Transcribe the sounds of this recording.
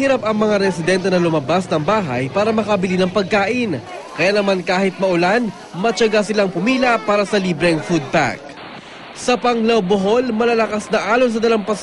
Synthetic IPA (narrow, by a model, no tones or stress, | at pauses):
hɪɾapɐŋmɐŋaɾɛsɪd̪ɛnt̪ɛnɐlʊmɐbasnɐŋbaːɦɐ̰jpaːɾɐmɐkɐbɪlinɐŋpɐɡ̚kaːʔɪnkɐjaːnɐmankaːhɪt̪̚mɐʔʊlan | mɐt͡ʃɐɡasɪlaŋpʊmiːlɐpaːɾɐsɐliːbɾɛŋfud̪̚pa̰k̚ | sɐpɐŋlɐwboɦo̞lmɐlɐlɐkasnɐʔaːlons̬ɐd̪ɐlaŋpɐs